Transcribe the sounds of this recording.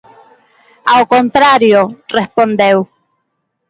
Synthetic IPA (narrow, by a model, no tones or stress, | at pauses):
aokont̪ɾaɾjorespond̪ew